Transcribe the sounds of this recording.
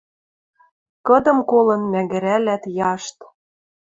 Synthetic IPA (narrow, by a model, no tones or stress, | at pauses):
kɤ̆d̪ɤ̆mkolɤ̆nmæɡɘ̆ɾælæt̪jɑʃt̪